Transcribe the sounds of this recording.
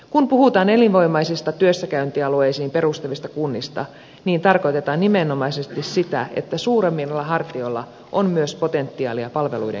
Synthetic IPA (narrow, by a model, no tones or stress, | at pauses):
kunpuhut̪ɑːnelinʋo̞jmɑjsist̪ɑt̪yøsːækæynt̪iɑlue̞jsiːmpe̞ɾust̪ɑʋist̪ɑkunːist̪ɑ̰ | niːnt̪ɑrko̞jt̪e̞t̪ɑːnːimenːo̞mɑjsest̪issit̪æe̞̰t̪ːæsuːɾemːilːɑɦɑrt̪io̞lːɑ | ʔommyøspo̞t̪e̞nt̪ːiɑ̰ːliɑpɑlʋe̞lujdḛ